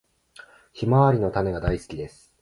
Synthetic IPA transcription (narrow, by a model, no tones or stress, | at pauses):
çimaβaɾʲino̞t̪ane̞ɡad̪aisɨ̥kʲid̪e̞sɨ̥